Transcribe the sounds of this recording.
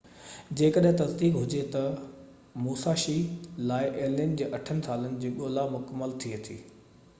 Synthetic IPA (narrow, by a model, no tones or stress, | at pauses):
d͡ʑeːkəɗɦɪ̃t̪ɐzd̪iːkɦʊd͡ʑet̪ɐ | muːsaːʃilaːɪʔeːlind͡ʑeːʔɐʈʰənɪ̆sʰaːlənɪ̆d͡ʑiːɠoːlamʊkəmːəlt̪ʰiet̪ʰiː